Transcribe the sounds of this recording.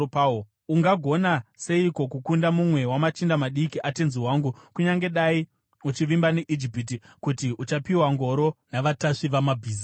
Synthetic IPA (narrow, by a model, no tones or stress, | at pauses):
pao | uŋɡaɡʱo̞nase̞iko̞kukundamumwe̞wamat͡ʃindamaɗikiʔate̞nziwaːŋɡukuɲaŋɡe̞ɗai | ut͡ʃiʋimbaneʔid͡ʒipit̬i | kutiʔut͡ʃapiwaŋɡo̞ɾo̞naʋataʂiʋamabʱiːza